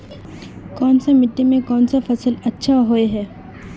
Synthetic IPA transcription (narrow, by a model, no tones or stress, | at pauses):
kɔːnsamɪʈːemẽkɔːnsafɐsəlɐtːʃʰaɦoeɦɛː